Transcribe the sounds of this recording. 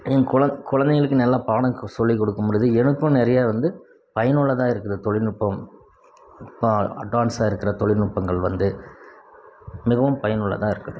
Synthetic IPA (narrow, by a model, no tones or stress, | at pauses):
ɛnkʊɻɐkʊɻɐnd̪ɛŋɣɐɭɯkːɯnɐlːãːpaːɽɐ̃sɔlːikɔɽɯkːɯmɔɻɯðɯɛnɯkːʊ̃nɛɾɐjaːʋɐnd̪ɯ | pɐjɐnɯɭːɐt̪ãːɪɾɯkːɾɐðɯt̪ɔɭɪɾnʊpːɐm | ɐpːoːɐ̰ʈʋaːnsaːɪɾɯkːɪɾɐt̪ɔɭɪɾnʊpːɐŋɡɐɭʋɐnd̪ɯ | mɪɣɐʋɯmpɐjɐnɯɭːɐ̰t̪ãːɪɾɯkːɐɽɯ